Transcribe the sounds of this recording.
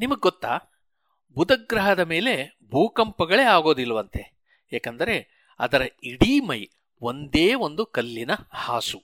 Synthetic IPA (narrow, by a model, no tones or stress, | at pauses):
nimɐɡeɡɔt̪ːaː | bud̪ɐɡɾɐɦɐd̪ɐme̞ːle̞ | bʱuːkɐmpɐɡɐɭe̞ːaːɡo̞ːd̪ilːɐʋɐnt̪e̞ | eːkɐnd̪ɐɾe̞ | ɐ̰d̪ɐɾɐiɽiːmɐj | o̞nd̪e̞ːʋo̞nd̪ukɐlːinɐhaːsu